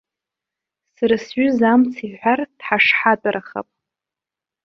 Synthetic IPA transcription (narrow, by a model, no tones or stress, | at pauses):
sɨɾɨsɥʏzamt͡sʰiħʷᶣard̥ħaʂħatʼaraχa̰pʼ